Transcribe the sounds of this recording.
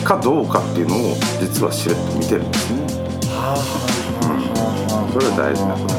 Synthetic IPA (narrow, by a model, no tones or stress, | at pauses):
kad̪o̞ːkat̪ːe̞iɯ̟noːd͡ʑit͡sɨβa̰ɕiɾet̪ːomʲit̪e̞ɾɯ̟nd̪esɨne | a | ɯ̃ɴ | so̞ɾeβad̪a̰ḭʑina